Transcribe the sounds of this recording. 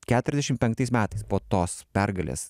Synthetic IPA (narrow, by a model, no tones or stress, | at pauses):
kʲæːt̪ʊɾʲɛzʲd̪ʲɛʃʲɪmpʲɛŋk̚t̪ɐɪsmʲæːt̪ɐɪspoːt̪oːspʲæɾɡɐlʲḛːs